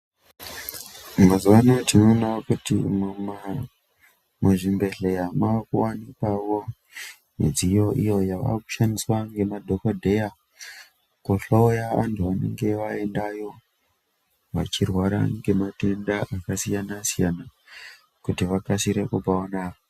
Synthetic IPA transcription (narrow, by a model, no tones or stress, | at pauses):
mazuwanotinonakutḭmm | maʐimbe̞ɮejamakuwanikawo̞ | mḭd͡zijo̞ʔijo̞jaʋa̰ku̥ʃaniswaŋɡe̞madʱo̞kodʱe̞ja | koɬoojaantʰuʋane̞̰ŋɡe̞ʋaendajo̞ | ʋa̰t͡ʃirwaɾa̰ŋɡe̞matendaʔakasijanasijana | kutiʋakasiɾekupaonao